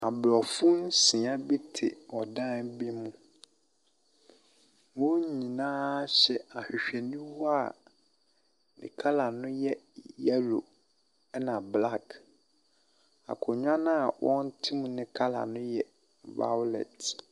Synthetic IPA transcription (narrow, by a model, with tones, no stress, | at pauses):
a˨blɔ˨fʊ˦n˦sɪ̃˨ã˦bi˦tʰɪ̰˨ɔ˨dã˦nbi˦mũ˦ | wɔ̃˦ɲĩ˨nãː˦ɕɛ˨a˨hᶣi˨ɕᶣɛ˨nĩ˦wɔ˦a˦˨ | nɪ̰̃˨kʰa˦la˨nʊ̃˦jɛ˦ | jɛ˦lo̰˨ | ɛ˦nã˨bla˦k | a̰˨kʰʊ˨ɲᶣ˦ã˦nã˦a˨wʔɔ̃˦n˦tʰɪ˦mũ˨nɪ̃˦kʰa˦la̰˨nʊ̃˦jɛ˦ | ba̰˦wlɛ̰˨t